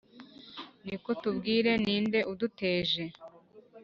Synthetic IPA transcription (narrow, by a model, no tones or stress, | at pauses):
niko̞tubɡiːɾe̞niːnde̞ʔudute̞ːʒe̞